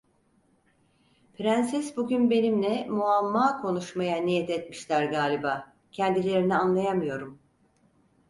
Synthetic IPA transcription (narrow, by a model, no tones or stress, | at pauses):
pʰɾænsɛsbuɟʲynbe̞nimlʲɛmuamːaːkʰo̞nuʃmajanijɛt̪ɛt̪miʃlʲæɾɡaːlʲibaː | cʰɛnd̪ilʲe̞ɾinianlˠajamɯjo̞ɾum